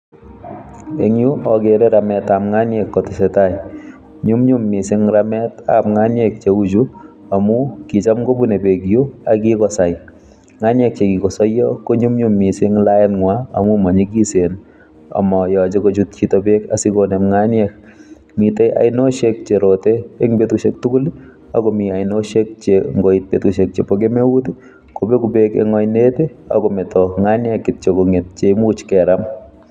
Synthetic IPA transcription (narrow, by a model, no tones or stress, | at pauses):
eŋjuʔɔɡeɾeɾamɛt̪amŋanjekːɔtɪsɛtaj | ɲʊmɲʊmːɪsɪŋɾamɛta̰pŋanjek̚t͡ʃeud͡ʒu | amukit͡ʃamɡobunebeɡjuaɡikɔsaj | ŋanjek̚t͡ʃeɡikɔsɔjɔkoɲʊmɲʊmːɪsɪŋlajɛnŋwaa̰mumɔɲiɡisen | a̰mɔjɔt͡ʃekot͡ʃut̚t͡ʃitɔbeka̰sɪkonɛmŋanjɛk̚ | mitɛjʔa̰jnoʃek̚t͡ʃeɾoteeŋbetuʃek̚tukʊli | akɔmiajnoʃek̚t͡ʃeŋɡoit̚betuʃek̚t͡ʃepoɡemewuti | kobekubekḛŋɔjnetea̰kɔmɛtɔŋanjɛkːɪt̚t͡ʃekɔŋet̚t͡ʃemut͡ʃkɛɾam